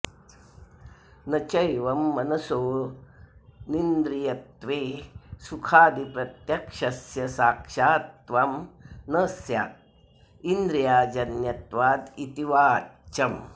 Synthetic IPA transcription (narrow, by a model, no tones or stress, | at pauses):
nɐt͡ʃɐjʋɐmːɐnɐsoː | nind̪ɾijɐt̪ʋeːsukʰaːd̪ipɾɐt̪jɐkʂɐsjɐsaːkʂaːt̪ʋamnəsja̰ːt̪̚ | ind̪ɾijaːd͡ʒɐnjɐt̪ʋaːd̪it̪iʋaːt͡ʃɐm